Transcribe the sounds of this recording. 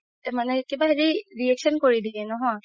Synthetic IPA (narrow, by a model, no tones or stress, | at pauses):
manɛkebaɦɛdiɹiɛkʃɔnkoɹid̪ienɔɦɔ̃